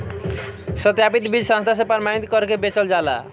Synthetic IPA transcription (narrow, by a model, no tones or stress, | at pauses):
sət̪japit̪bʱid͡ʒsãnst̪ʰas̬epəɾmanit̪kɔɾkebet͡ʃɔld͡ʒala̰